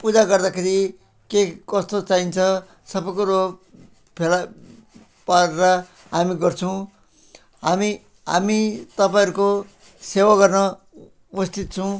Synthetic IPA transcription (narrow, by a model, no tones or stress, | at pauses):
pud͡zaɡʌrd̪akʰeɾi | kekʌst̪ot͡saint͡sʰʌ | sʌbʌkoɾo | pʰela | paɾeɾʌ | ɦamiɡʌrt͡sʰʌw̃ | ɦami | ɦa̰mit̪ʌpaj̃ʌɾuko | sewaɡʌrnʌ | upʌst̪ʰit̪t͡sʰʌw̃